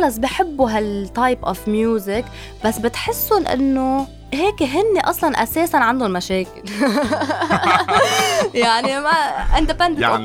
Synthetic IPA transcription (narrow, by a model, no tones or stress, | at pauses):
lɑs̬ˤbɪħɪbːuɦalt̪ːɑjpʔɔfmjuːzɪk | basːbɪt̪ħɪsːʊnʔɪ̰nːo | ɦeːkeɦɪnːeʔɑsˤlɑnʔa̰seːsanʕand̪ʊnmaʃeːkɪl | jaʕnimaʔɪ̃nd̪ɪpɛ̃nd̪